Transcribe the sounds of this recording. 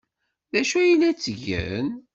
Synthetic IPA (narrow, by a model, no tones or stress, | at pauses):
ðæʃujilæt͡sːʝə̰n